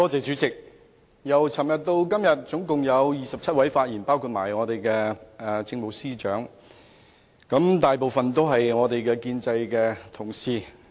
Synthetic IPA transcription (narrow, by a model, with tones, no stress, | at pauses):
t̪ɔː˥t͡sɛː˨˩t͡ʃyː˨˥t͡sɪ˨k̚ | jɐ˨˩wt͡sʰɐː˨˩mjɐ˨t̚t̪o˧wkɐ˥mjɐ˨t̚t͡sʊ˨˥ŋkʊ˨ŋjɐ˨˧wjiː˨˩sɐ˨p̚t͡sʰɐ˥t̚wɐ˨˥jfaː˧t̚jiː˨˩npaː˥wkʰu˧t̚ma̰ː˨˩jŋɔː˨˧t̪e˨jkɛː˧ɛ˨t͡sɪ˧ŋmo˨˧wsiː˥t͡ʃœː˨˥ŋ | kɐ˨˥mt̪aː˨jpo˨wfɐ˨nt̪o˥wɦɐ˨jŋɔː˨˧t̪e˨jkɛː˧kiː˧nt͡sɐ˧jkɛː˧t̪ʰʊ˨˩ŋsiː˨˩